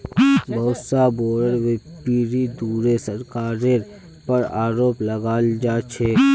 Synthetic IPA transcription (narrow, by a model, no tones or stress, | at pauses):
bəwsaboːɽəɾʋepiɾid̪uɾesəɾkaːɾeɾ | pəɾaːɾoːpləɡaːld͡ʒaːt͡ʃʰe